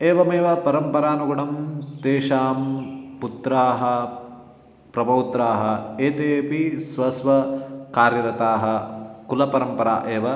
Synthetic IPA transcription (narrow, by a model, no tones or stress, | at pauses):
eːʋɐmeːʋɐpɐɾɐmpɐɾaːnuɡɐɳɐmt̪eːʃaːmput̪ɾaːɦɐ̆ | pɾɐbʱɐwt̪ɾaːɦɐ̆eːt̪eːpisʋɐsʋɐkaːɾjɐɾɐt̪aːɦɐ̆kulɐpɐɾɐmpɐɾa̰ːʔeːʋɐ